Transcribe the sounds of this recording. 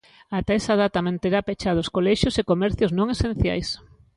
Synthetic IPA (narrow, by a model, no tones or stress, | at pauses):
at̪ɛsaðat̪amẽnt̪eɾapet͡ʃaðʊskolɛʃjʊsekomɛɾθjʊznõŋesẽn̟θja̰js